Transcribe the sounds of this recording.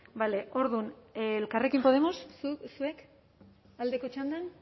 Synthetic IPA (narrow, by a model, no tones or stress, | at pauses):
bale̞ʔo̞ɾðunlkare̞kimpo̞ð̞e̞mo̞ssue̞k | ald̪e̞ko̞t͡ʃand̪an